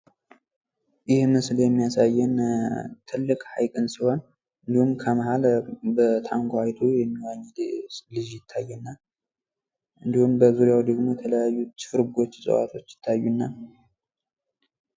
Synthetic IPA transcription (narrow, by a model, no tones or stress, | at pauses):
jɪhmɨsljɛmːijasajːɛnt̪ʰɨlːɨkʼhajkʼɨnsɨwan | ɨnd̪ihumkʰəmahalbət̪ʰaŋɡohajt̪ʰujɛmːiwaɲːɪd̪lɨd͡ʒjɪt̪ʰːajːunːa | ʔɨnd̪ihumbəzuɾjawd̪əɡmojɛt̪ʰələjajːut͡ʃɨ̥fɨɾɡo̞t͡ʃːsʼə̰wa̰t̪ʰo̞t͡ʃːjɪt̪ʰːajːunːa